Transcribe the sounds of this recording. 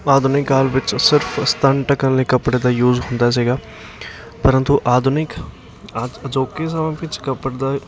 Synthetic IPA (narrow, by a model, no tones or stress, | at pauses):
aːd̪ʊnɪkaːlʋɪt͡ʃsɪɾpʰəst̪ʰənʈəkənleːkəpɽeːd̪aːjuːzɦʊ̃nd̪aːs̬iːɡaː | pəɾə̃nt̪uʔaːd̪ʊnɪkː | əd͡ʒoːkeːs̬aʋẽːpɪt͡ʃkəpəɽd̪aː